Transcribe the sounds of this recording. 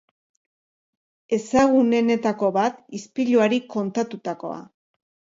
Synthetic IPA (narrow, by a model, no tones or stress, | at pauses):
e̞saɣ̞une̞ne̞t̪ako̞βat̪ispiʎuaɾiko̞nt̪at̪ut̪ako̞̰a̰